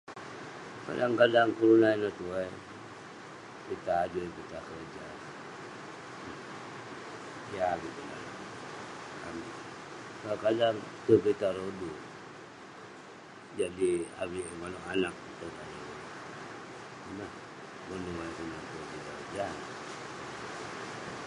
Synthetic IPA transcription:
ka̰daŋkadaŋkuɾunainat̪ua | kit̪aːdukit̪akərd͡ʒa | aŋit̪una̰na | ka̰mi | kakadaŋt̪ukit̪aɾodu | d͡ʒadia̰wiʔmanuʔanak̚ut̪uŋana | nah | mənuakunat̪ukit̪a | ja

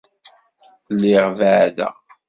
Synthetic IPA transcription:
lːiʁvəʕðæ̰

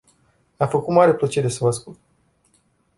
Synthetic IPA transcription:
afəkut̪maɾeplət͡ʃe̞ɾe̞səvəaskult̪

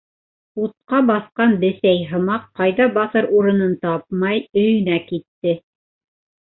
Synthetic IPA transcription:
ut̪̚qɑbɑθqɑnbɘ̆sæjɦɤ̆mɑqːɑjðɑbɑθɤɾuɾɤ̆nɤnt̪ɑp̚mɑjɵ̆jɵ̆nækit̪ːɘ

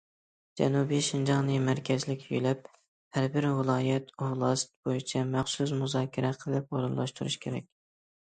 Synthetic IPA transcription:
d͡ʒɛ̰nubiʃɪnd͡ʒɑʁnɨmæɾkʲʰɛzlɪkʲjylɛp̚ | hæɾbɪɾwɨlˠɑːjɛt̪ʰuhlˠɑst̪̚bojit͡ʃʰɛmæχsus̬muzɑːkʲʰɪɾɛqʰəlˠɨp̚oɾɨnlˠɑʃt̪uɾṵʃkʲʰeɾɛ̰kʲ

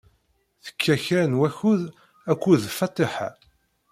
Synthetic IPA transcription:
θə̥kʰːæçænwæçuð | ækʷːuðfɑt̪ˤːeħa̰

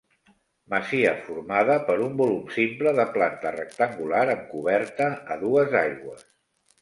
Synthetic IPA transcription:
məziə̰fuɾmaðəpəɾumbulumsimpləðəplant̪ərək̚t̪əŋɡulaɾəŋkuβɛɾt̪əːðuəzajɣwəs

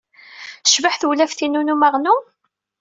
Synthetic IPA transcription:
əʃvəħθwlæfθinunumaʁnu

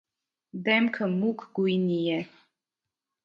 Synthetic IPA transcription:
d̪ɛmkʰəmukʰɡujnijɛ

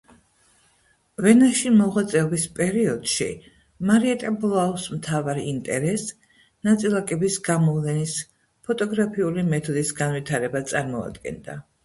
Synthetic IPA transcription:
vɛnaʃimɔʁwat̪sʼɛɔbispʼɛɾiɔd̪̥ʃḭ | maɾiɛt̪ʼɛbulˠaɔsmt̪ʰavaɾint̪ʼɛ̰ɾɛs | nat̪sʼilˠakʼɛbisɡamɔvlɛnis | pʰɔt̪ʼɔɡɾapʰiulimɛt̪ʰɔd̪isɡanvit̪ʰaɾɛbat̪sʼaɾmɔa̰d̪ɡɛ̰nd̪a̰

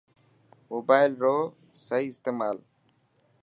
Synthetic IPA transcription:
moːbaːɪlɾoː | səiːɪst̪eːmaːl

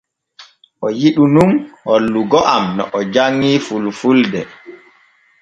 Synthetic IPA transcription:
ʔɔjiɗunumholːuɡɔʔamnɔ̰ʔɔd͡ʒaŋːiːfulfuldɛ

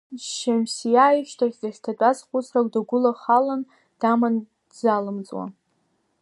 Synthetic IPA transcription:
ʃemsijajʃtʰaχʲzaχʲtʰat͡pʷʼazχʷʊsʰrakʷʼdaɡʷʊlaχalan | d̥aman | dzalɨmt͡sʼwa̰

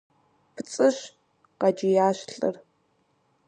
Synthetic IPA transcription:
pʰɨt͡sʼɨɕ | qɑd͡ʒɪjaːɕɬʼɨ̰r

